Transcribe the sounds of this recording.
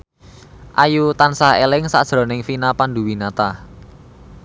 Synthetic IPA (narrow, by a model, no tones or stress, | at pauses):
ʔajut̪ansaɦḛlɪŋsa̰d̥ʒ̥ɾɔ̤nɪŋfinapand̪uwinat̪a